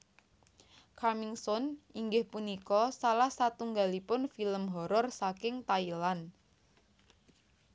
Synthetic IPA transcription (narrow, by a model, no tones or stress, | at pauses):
kʰarmɪŋsɔniŋɡɪhpunikɔsalahsat̪uŋɡalipʊnfiləmɦɔɾɔrsakɪŋt̪ailan